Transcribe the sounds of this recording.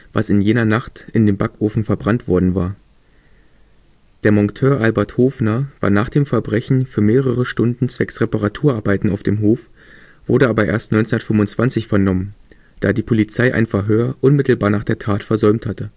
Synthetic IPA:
v̥a̰sɪnjeːnɐnaχtɪndeːmbakʔoːfn̩fɛɐbʁantv̥ɔɐdn̩vaːɐ | d̥eːɐmɔŋtʰøːɐʔalbɐɐthoːfnɐva̰ːɐnaːχd̥eːmfɛɐbʁɛçn̩fyːɐmeːʁəʁ̞əʃtʊndn̩t͡sv̥ɛksʁ̥epaʁatʰuːɐʔaɐbaɪtn̩aʊfd̥eːmɦoːf | v̥ʊɐdəʔaːbɐʔḛːɐstnɔʏnt͡snndɐtfʏmʊnt͡sv̥ant͡sɪçfɛɐnɔmən | d̥aːdiːpʰolit͡saɪʔa̰ɪnfɛɐɦøːɐʔʊnmɪtl̩baːɐnaːχd̥eːɐtʰaːtfɛɐzɔʏmthatə

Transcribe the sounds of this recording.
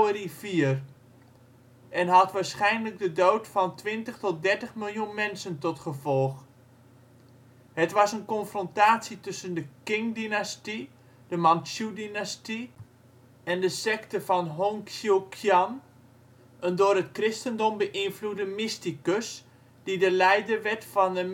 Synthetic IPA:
ərifiər | ʔɛnɦɑtʋaːɹsχɛjnləɡ̚dədowtfɑntʋɪntəχtɔt̚dɛɹtəχmɪlˠjunmɛnsəntɔtχəvɔlˠx | hətʋɑsənkɔnfrɔntaːsitɵsəndəkɪŋdinasti | dəmɑnsjudinasti | ɛndəsɛktəvɑnɦoŋkukʰjɑn | əndʊːrətkrɪstəndɔmbəʔɪnfludəmɪstikəs | d̥idəlɛjdərʋɛtfɑnə

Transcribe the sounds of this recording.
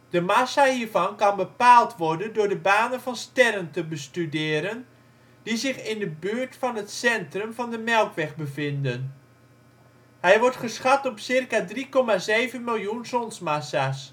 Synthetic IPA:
d̥əmasahiːərvɑnkɑnbəpaːlˠtʋɔrdəndʊːɹdəbaːnənvɑnstɛrəntəbəstydɪːɾən | dizɪxɪndəbyːɹtfɑnɦətsɛntrəmvɑndəmɛlˠkʋɛxbəvɪndən | hɛjʋɔrtχəsχatɔpsɪrkadrikɔmazeːvənmɪlˠjunsɔnsmasas

